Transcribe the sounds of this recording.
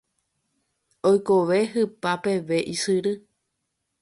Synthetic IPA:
ojkoʋe̞ɦɨpape̞ʋe̞ʔisɨɾɨ

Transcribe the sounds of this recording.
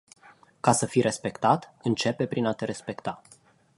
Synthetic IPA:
kasəfiɾe̞spe̞kt̪at̪ɨnt͡ʃe̞pe̞pɾinat̪e̞ɾe̞spe̞kt̪a

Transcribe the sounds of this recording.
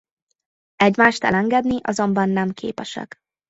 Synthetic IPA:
ɛɟmaːʃt̪ɛ̰lɛŋɡɛd̪niʔɒ̰zo̞mbɒnːɛmkʰḛːpɛʃɛ̰k

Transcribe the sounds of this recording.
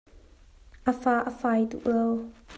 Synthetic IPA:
ʔəfaːʔəfajt̪ṵʔəw

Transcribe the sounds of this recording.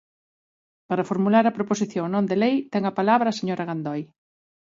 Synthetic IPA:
paɾɐfoɾmulaɾɐpɾoposiθjoŋnõnd̪elejt̪ɛŋɐpalaβɾaːseɲoɾɐɣand̪ɔj

